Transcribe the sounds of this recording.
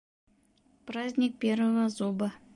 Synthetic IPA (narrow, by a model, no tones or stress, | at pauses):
prazʲnʲik̚pʲervəvəzubə